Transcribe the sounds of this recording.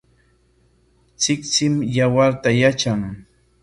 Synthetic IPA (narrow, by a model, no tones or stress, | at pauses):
t͡sɪkt͡sɪmjawaɾt̪ajat͡ʃaŋ